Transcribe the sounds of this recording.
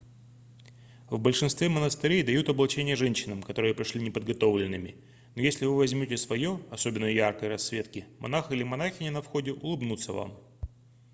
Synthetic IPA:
vbəlʲʂɨnst̪vʲemənəst̪ɪɾʲejd̪ɐjut̪ɐblˠɐt͡ɕenʲɪjəʐɛnʲɕːɪnəmkɐt̪o̞ɾɨjəpɾʲɪʂlʲinʲɪpəd̪ɡɐt̪o̞vlʲɪnːɨmʲɪ | no̞jesʲlʲɪvɨvɐzʲmʲotʲɪsvɐjoɐso̞bʲɪnːəjarkəjɾɐsːvʲe̞t̪kʲɪmʔɐ̰naxilʲɪmɐnaxʲɪnʲɪnɐfxo̞dʲɪʔʊlˠɨbnut̪sːəva̰m

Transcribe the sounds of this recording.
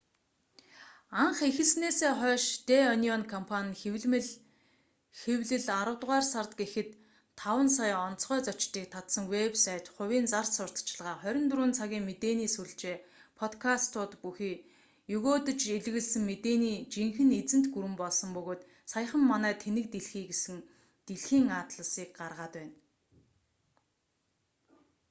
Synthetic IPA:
aɴχexɘ̆ɮsneːseːχœːʃt̪eɔniɔnkʰɔmpʰanʲwɮ | xewɮɘ̆ɮaɾə̆wt̪ʁaːrsart̪ɡexɘ̆t̪ʰː | awə̆nsajɔnt͡sχœːt͡sɔt͡ɕt̪iːk̚t̪ʰat̪sə̆ŋwepsat̪χʊwʲiːnt͡sar̥sʊr̥t̪t͡ɕɪ̆ɮʁaːχœɾʲɪ̆nt̪ɾuːnt͡sʰaɣʲiːŋmet̪eːniːsuɮt͡ɕeːpʰɔt̪kʰast̪ʰʊːt̪puxiː | jɵɣoːt̪ɵ̆t͡ɕeɮɣɘ̆ɮsɘ̆ŋmet̪eːniːt͡ɕiŋxɘ̆net͡sɘ̆n̥t̪ɡuɾɘ̆mpɔɮsɞ̆mpɵɣoːt̪ | sajə̆χə̆mːanæːt̪ʰenɘ̆k̚t̪eɮxiːɡesɘ̆ŋ | t̪eɮxiːŋaːt̪ɮə̆siːk̚ɢarʁaːt̪pæːn

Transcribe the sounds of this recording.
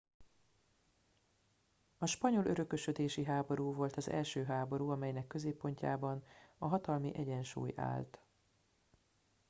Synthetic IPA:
ɒʃpɒɲo̞lø̞ɾø̞køʃød̪eːʃiɦaːbo̞ɾuːvo̞lt̪ɒzɛ̰lʃøːɦaːbo̞ɾuːɒmɛjnɛkːø̞zeːpːo̞ɲca̰ːbɒnɒɦɒt̪ɒlmiʔɛɟɛnʃṵːja̰ːlt̪

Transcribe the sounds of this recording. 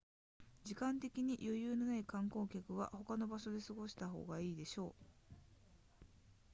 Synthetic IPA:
d͡ʑikãnt̪e̞kʲiɲ̟ijʔo̞jɯ̟ːnonaikãŋko̞ːkʲakɯ̟ɡa̰ho̞kano̞baɕo̞d̪e̞sɨɡo̞ɕi̥t̪aɦo̞̰ːɡaiːd̪e̞ɕo̞ː

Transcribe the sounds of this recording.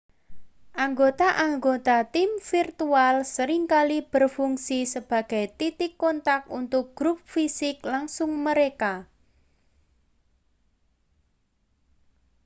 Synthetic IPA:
ʔaŋɡot̪aʔaŋɡot̪at̪imfirt̪ualsəɾiŋkalib̥ərfuŋsisəb̥a̤ɡ̥a̤jt̪it̪ɪkːɔnt̪akunt̪ʊk̚ɡ̥ɾup̚fisɪklaŋsʊŋməɾeka

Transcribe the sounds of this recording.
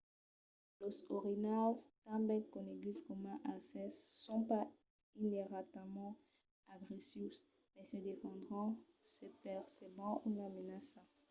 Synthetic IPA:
losoʁinalst̪ãbɛ̃kɔ̃neɡlizkɔmãʔasɛsːɔ̃pa | ineʁat̪amɑ̃ | aɡʁesis | mɛsəd̪efɑ̃d̪ʁɔ̃ | səpɛʁsebɑ̃ulamenasã

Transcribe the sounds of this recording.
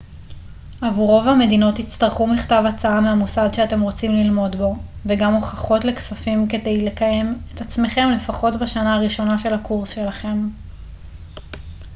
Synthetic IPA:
avuʁo̞vame̞dino̞thit͡staʁχumiχtavat͡saameamusadʃeate̞mʁo̞t͡simlilmo̞dbo̞veɡamoχaχo̞tle̞ksafimke̞de̞jle̞kaje̞metat͡sme̞χe̞mle̞faχo̞tbaʃanaaʁiʃo̞naʃe̞lhakuʁsʃe̞laχe̞m

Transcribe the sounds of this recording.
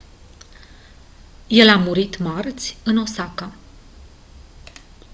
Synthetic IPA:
je̞lamuɾit̪mart̪sʲɨno̞sakə

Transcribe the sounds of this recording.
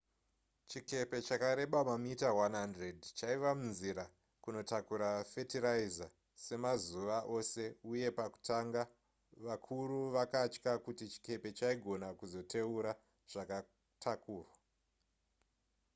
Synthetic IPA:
t͡ʃike̞pe̞t͡ʃakaɾe̞ɓamamitawanɦandredt͡ʃaiʋamunziɾa | kuno̞takuɾafetiɾaiza | se̞mazuʋaʔo̞se̞uje̞paku̥taŋɡa | ʋakʰuɾuʋakat͡ʃkakutit͡ʃi̥ke̞pe̞t͡ʃaiɡʱo̞nakuzo̞tʰe̞uɾa | ʐ̥aka | tʰakuːrwa

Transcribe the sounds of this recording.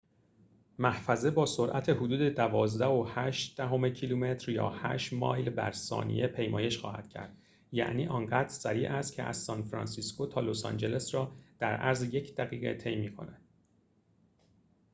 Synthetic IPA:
mæhfæze̞bɒːsoɾʔæt̪ʰe̞ɦod̪uːd̪e̞d̪ævɒːzd̪æhohæʃt̪d̪̥æɦo̞mecʰilume̞t̪ɾjɒ̰ːhæ̰ːʃmɒ̰ːjlbæ̰ɾsɒ̰ːnḭjepʰe̞jmɒːje̞ʃxɒ̰ːhæ̰d̪̥cʰæ̰ɾd̪̥ | jæ̰ʔniːʔɒːnɢæːd̪ɾsæɾiːʔæst̪̚cʰeʔæ̰zːɒːnfɾɒ̰ːnsisko̞t̪ʰɒːlosɒ̰nd͡ʒe̞le̞sɾɒːd̪̥æɾʔæɾzje̞cʰd̪̥æɣiːɣet̪ʰe̞jmiːkʰo̞̰næd̪̥

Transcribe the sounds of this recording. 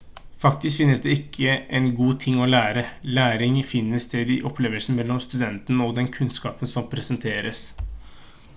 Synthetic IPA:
fɑk̚t̪ɪskfɪnːəsd̪ɛɪkʰːəʔɛnɡuːt̪ʰɪŋːɔlæːɾəlæːɾɪŋfɪnːəsd̪ed̪ɪʔɔpʰleːʋəlsn̩mɛlːɔmst̪ʉd̪ɛnt̪nəɔɡd̪ɛnkʰʉnskɑːpənsɔmpʰɾɛsɛnt̪ʰeːɾəs

